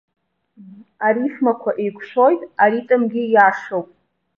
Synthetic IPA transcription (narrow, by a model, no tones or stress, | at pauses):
aɾiχmakʷʰaʔejkʷʰʼʂʷo̞jtʼaɾitʼɨmɡʲɪjaʂowpʼ